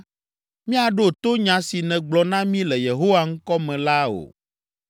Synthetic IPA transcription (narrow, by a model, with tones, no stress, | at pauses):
mĩ˦a˨ɖo˦t̪o˦ɲã˨si˨nɛ̃˨ɡ͡blɔ˨nã˦mĩ˦lɛ˨je˨ɦo˦wa˦ŋ̩˦kɔ˦mɛ̃˨la˦o̰˨